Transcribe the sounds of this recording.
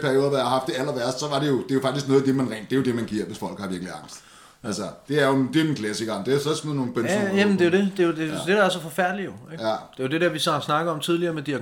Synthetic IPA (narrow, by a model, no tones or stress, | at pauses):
pʰæɐio̝ːðˠɐdɑjɑhɑ̈hɑ̈fd̥e̝ælɐʋæɐsd̥sɒ̽ʋɑ̈ɾe̝jo̝d̥e̝jo̝fɑ̈ɡ̥̚isɡ̥nɔ̽ːðˠd̥e̝mænʁɛ̰ːnd̥d̥e̝jo̝d̥e̝mænɡ̥iɐ̰ʋe̝sfɒ̽l̰ɡ̥hɑ̈ʋiɐɡ̥liɑ̈ŋ̰sd̥ | ælsɐd̥e̝æɐjod̥e̝enkʰlæsiɡ̥ɐmd̥eæsɒsmeðnoːnb̥enjæmnd̥e̝jod̥e̝d̥e̝jode̝d̥e̝d̥ɑ̈æɐsɒ̽fɒ̽fæɐ̰d̥lijo̝eɡ̥d̥e̝jo̝d̥e̝d̥eɐʋissnɑ̈ɡ̥əɒ̽mt͡sʰið̞ˠliɐmed̥iɐ